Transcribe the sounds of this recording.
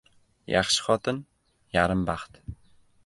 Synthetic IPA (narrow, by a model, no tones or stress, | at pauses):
ja̰χʃɪ̥χɒt̪ʰɪn | jaɾɪmbɑχt̪